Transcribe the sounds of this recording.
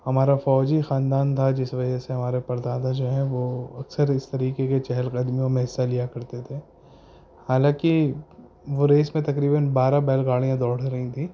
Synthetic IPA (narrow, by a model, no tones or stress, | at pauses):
hɐmaːɾafɔːd͡ʒixaːnd̪aːnt̪ʰad͡ʒɪsʋɐd͡ʒəseɦɐmaːɾepɐɾd̪aːd̪ad͡ʒoːɦɛ̃ʋoɐksəɾɪst̪ɐɾiːkeket͡ʃɛɦɛlkɐd̪miomɛɦsalijakɐɾt̪et̪ʰeː | haːlãːki | ʋoɾeːsmẽt̪ɐkɾiːbənbaːɾabɛːlɡaːɭijãd̪ɔːɽ̤ɾɐɦĩt̪ʰiː